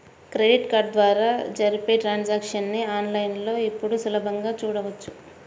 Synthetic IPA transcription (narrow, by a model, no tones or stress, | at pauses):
kɾeɖiʈkaːɾɖ̚d̪ʋaːɾaːd͡ʒɐɾipe̞ːʈɾaːnd͡ʒaːkʂɐnːiaːnlɐjnlo̞ːipːuɽusulɐbʱɐŋɡaːt͡ʃuːɽɐʋɐt͡ʃːu̥